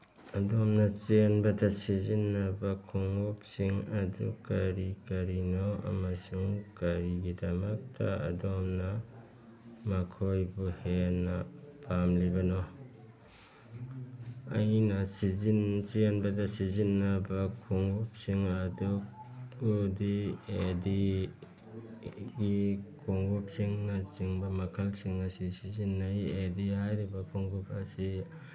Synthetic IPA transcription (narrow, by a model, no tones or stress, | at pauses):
ɐdɔmnɐt͡ʃenbɐdasizinːɐbakʰuŋup̚siŋɐdukaɾikɐɾinɔɐ̰mɐsuŋkaɾiɡidɐmɐk̚tʰaɐ̰dɔmnɐ | makʰojbuhenːɐpʰamlibɐnɔ | ɐ̰jnɐsizint͡ʃinbɐdɐsizinːɐbɐkʰoŋɡup̚siŋɐdukudiedi | ɡikʰoŋɡup̚siŋnɐt͡ʃiŋbɐmɐkʰɐlsiŋɐsisizinːajedihajɾibɐkʰoŋɡup̚ɐsi